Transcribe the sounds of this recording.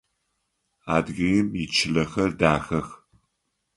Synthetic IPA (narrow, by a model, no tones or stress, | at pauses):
aːdɣɐjɪmit͡ʃʰɪɮɐxɐrdaːxɐx